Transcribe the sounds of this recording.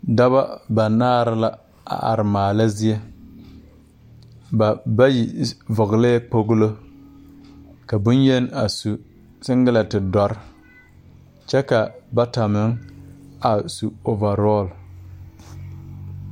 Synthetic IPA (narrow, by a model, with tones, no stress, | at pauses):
da˦βa˦ba˨naː˦ɾɪ˦la˦ | a̰˨ʔa̰˨ɾɪ˨maː˨la˦zɪ˦e˦ | ba˨ba˦ji˨vʊ˨ɣɪ˨leː˦k͡po˦ɣʊ˦lo˦ | ka˨bʊ˦nje˦na˨su˨ | sɪ˦ŋɡɪ˦la˨tɪ˨dɔ˦ɾ | t͡ʃɛ˦ka˨ba˦ta˨mɪ˨˦ŋ | a˨su˨o˨va˨ɾɔ˦˨l